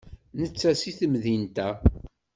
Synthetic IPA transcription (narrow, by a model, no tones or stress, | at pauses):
nət͡sːæsiθəmðint̪æ